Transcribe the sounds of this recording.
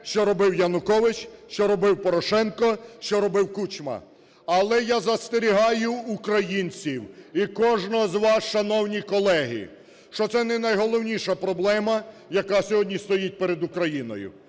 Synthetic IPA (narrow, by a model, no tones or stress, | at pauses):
ʃt͡ʃɔɾɔbɪwjɐnʊkɔʋɪt͡ʃʃt͡ʃɔɾɔbɪwpɔɾɔʃɛnkɔʃt͡ʃɔɾɔbɪwkut͡ʃmɐ̰ | ɐlˠɛjazɐst̪eɾʲiɦɑjʊːkɾɐjinʲt͡sʲiwikɔʒnɔɦɔzʋɑsʃɐnɔwnʲikɔlˠɛɦɪ̰ | ʃt͡ʃɔt̪sɛnɛnɐjɦɔlˠɔwnʲiʃɐpɾɔblˠɛmɐ | jɐkɑsʲɔɦɔdʲnʲist̪ɔjit̚ʲpeɾed̪ʊkɾɐjinɔ̰jʊ̰